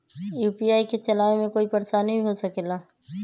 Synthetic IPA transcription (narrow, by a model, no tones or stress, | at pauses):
juːpiaːiket͡ʃɐlaːʋẽmẽkoːipɐɾsanɐɦĩiɦosɐkelaː